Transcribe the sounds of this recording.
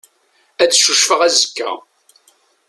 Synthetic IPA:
æt͡sːʃuʃfəʁæzəkːæ̰

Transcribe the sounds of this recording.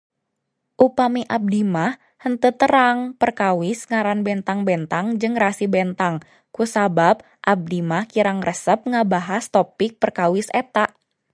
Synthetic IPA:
ʔupamiʔab̚dimah | hənt̪ət̪əɾaŋpərkawɪsŋaɾanbɛnt̪aŋbɛnt̪aŋd͡ʒɨŋrasibɛnt̪aŋ | kusabab̚ | ʔab̚dimahkiɾaŋrəsəp̚ŋabaɦast̪opɪk̚pərkawɪsɛt̪aʔ

